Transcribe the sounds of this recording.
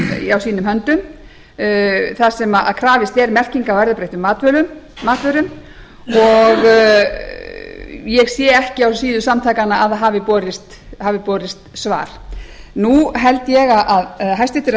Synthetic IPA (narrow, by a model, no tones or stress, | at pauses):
awsiːnʏmɦœnt̪ʏm | θasɛmaa̰ðkʰɾaːvɪst̪ɛɾmɛr̥ciŋkawvɛɾðapɾejht̪ʏmːaːt̪vœːlʏmː | aːt̪vœːɾʏm | ɔɣ | jɛɣsjɛːɛhcɪawsiːðʏsamt̪ʰaːjkanaʔaðɦaːvɪpɔːɾɪst̪ | haːvɪpɔːɾɪst̪sva̰ːɾ̥ | nuɦɛlt̪jɛɣaʔaðɦajst̪vɛht̪ɪɾ